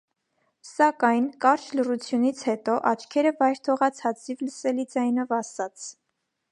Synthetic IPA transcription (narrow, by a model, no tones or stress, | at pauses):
sɑkɑjnkɑɾt͡ʃʰlərut͡sʰjunit͡sʰhɛt̪ɔʔɑt͡ʃʰkʰɛɾəvɑjɾt̪ʰɔʁɑt͡sʰɑt͡sivləsɛlid͡zɑjn̪ɔvɑsɑt͡sʰ